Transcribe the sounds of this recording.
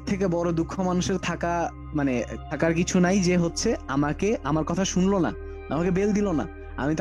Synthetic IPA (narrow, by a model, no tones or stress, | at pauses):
t̪ʰːek̬ebɔɾod̪ukʰːomanuʃeɾt̪ʰaka | manet̪ʰakaɾkit͡ɕʰunajd͡ʑeɦotːɕʰeamakeʔamaɾkɔt̪ʰaʃunlona̰ | a̰makebeld̪ilona̰ | a̰mit̪